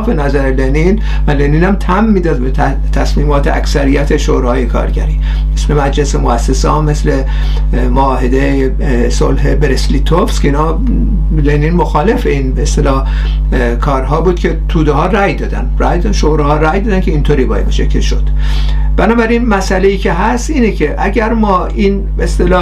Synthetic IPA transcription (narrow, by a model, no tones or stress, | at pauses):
fe̞næzæɾelenin | væleniːnæmt̪ʰæmːiːd̪ɒːd̪be | t̪ʰæsmiːmɒːt̪ʰeæ̰ksæɾijæt̪ʰeʃoɾehɒːjekʰɒ̰ːɾɟæ̰ɾiː | mesle̞mæd͡ʒlesemoæsːesɒːmesle̞ | moɒːɦe̞d̪e | solɦe̞beɾeslit̪ʰofskʰeiːnɒː | leniːnmoxɒːle̞feiːnbeest̪elɒː | kʰɒːɾɦɒːbuːd̪̚kʰʲe̞t̪ʰuːd̪ehɒːræjd̪ɒːd̪æ̰nɾæjd̪ʃoɾehɒːɾæjd̪ɒːd̪ænkʰe̞iːnt̪ʰoːɾiːbɒːjḛmeʃekʲʰːeʃod̪̥ | b̥ænɒːbæɾinmæsʔæleiːcʰe̞ɦæst̪ʔiːnekʰe̞ʔæɟæɾmɒː | iːn | beest̪elɒː